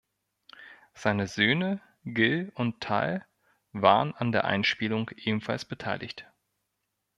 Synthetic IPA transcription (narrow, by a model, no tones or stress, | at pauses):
z̥aɪnəzøːnə | ɡɪlʊntʰːa̰l | vaːʁənandeːɐʔa̰ɪnʃpiːlʊŋʔeːbm̩falsb̥ətʰaɪlʔɪ̰çt